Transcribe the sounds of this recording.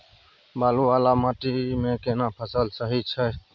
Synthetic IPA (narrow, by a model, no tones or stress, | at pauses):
baːlũːʋaːlaːmaːʈiːmẽːkeːnaːpʰəsəlsəɦiːt͡ʃʰɛː